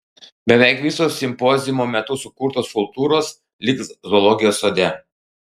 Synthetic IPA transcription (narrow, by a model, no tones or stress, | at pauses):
bʲɛʋʲɛˑɪkʋʲisoːsʲɪmpɔːzʲɪmoːmʲɛt̪ʊsʊkuːɾt̪oːskʊlˠt̪uːɾoːs | lʲɪkszɔlˠɔːɡʲɪjoːsoːd̪ʲɛ